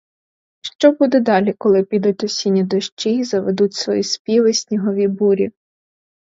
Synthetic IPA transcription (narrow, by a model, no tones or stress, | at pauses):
ʃt͡ʃɔbud̪ɛd̪ɑlʲikɔlˠɪpʲid̪utʲɔsʲinʲːɐd̪ɔʃt͡ʃiizɐʋed̪utʲsʋɔjispʲiʋɪsʲnʲiɦɔʋʲibuɾʲi